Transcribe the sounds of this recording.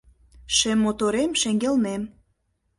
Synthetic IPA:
ʃemːot̪oɾemʃeŋɡelnem

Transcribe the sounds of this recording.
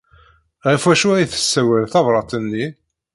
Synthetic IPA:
ʁəfæʃuɾiθə̥sːæwælθɑvɾˤɑt̪ˤənːi

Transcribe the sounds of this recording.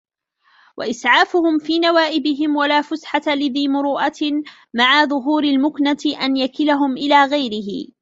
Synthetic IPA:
wa̰ʔɪsʕaːfʊhʊmfiːnawaːʔɪbɪɦɪmwalaːfʊsħat̪alɪðiːmʊɾuːʔat̪ | maʕaðˤʊɦuːɾalmʊknat̪ɪʔanjakɪlaɦʊmʔɪlaːɣajɾɪɦɪ̰

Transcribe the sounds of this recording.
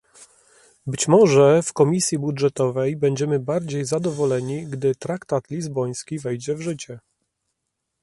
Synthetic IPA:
bɘt͡ɕmɔʐɛfkɔmʲisʲjibudʐɛt̪ɔvɛjbɛɲd͡ʑɛmɘbaɾd͡ʑejzad̪ɔvɔlɛɲiɡd̪ɘt̪ɾakt̪at̪lʲizbɔj̃skʲivɛjd͡ʑɛvʐɘt͡ɕɛ

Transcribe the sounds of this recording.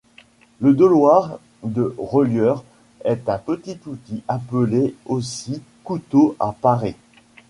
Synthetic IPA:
ləd̪ɔlwaʁ | d̪əʁəljœːʁ | ɛt̪ɛ̃pət̪it̪ut̪iʔapəleosi | kut̪oapaʁe

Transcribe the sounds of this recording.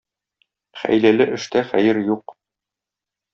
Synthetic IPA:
χæ̰jlælɘʔɘ̆ʃt̪æχæjɘɾjuq

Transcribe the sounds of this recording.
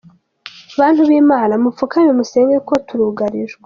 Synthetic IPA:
βaːn̥huβiːmaːnamufukaɲemuseːŋɡeko̞tuɾuɡaɾiʒɡe

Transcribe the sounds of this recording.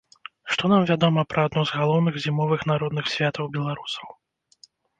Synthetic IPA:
ʂt̪ɔnamvʲad̪ɔmɐpɾʔɐad̪̚nɔzɣalˠɔwnɨɣzʲimɔvɨxnaɾɔd̪nɨxsʲvʲat̪ɐwbʲɛlˠaɾusɐ̥w

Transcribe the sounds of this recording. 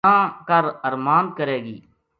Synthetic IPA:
ãːkəɾəɾmaːnkəɾeːɡiː

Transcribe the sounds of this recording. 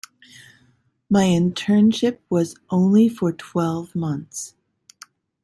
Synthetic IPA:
maɪɨ̃ntʰɜ̃˞nʃɪp̚wʌzʔõʊ̃nlifə˞tʰw̥ɛlˠvmʌ̃nθs

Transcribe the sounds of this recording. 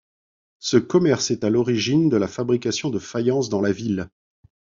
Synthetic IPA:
səkɔmɛʁsɛt̪alɔʁiʒind̪əlafabʁikʲasjɔ̃d̪əfajɑ̃sd̪ɑ̃lavil

